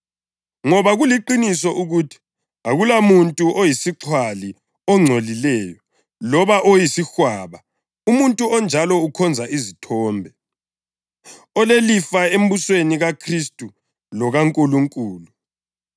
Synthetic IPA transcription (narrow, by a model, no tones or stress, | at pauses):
ŋɔβaɣuliǃinisɔʔuɣutʰi̥ | aɣulamuntʼuʔojisiǁʰwali | ɔŋ͡ǀʱolilɛːjɔ | lɔβaʔojisixwaːβa | umuntʼuɔnd͡ʒʱalɔukʰɔnd͡zʱaʔizitʰɔːmbʱɛ | ɔlelifaem̩busweniɣakʰristʼu | lɔɣaŋkʼuluŋkʼuːlu